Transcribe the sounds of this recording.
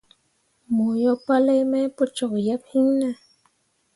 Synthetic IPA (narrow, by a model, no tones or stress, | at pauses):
mujopalajmajpʊt͡ʃoχjaphɪŋna